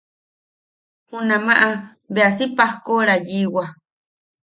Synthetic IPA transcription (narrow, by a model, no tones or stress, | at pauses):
hunãmãʔa | beasipahkoɾajiwa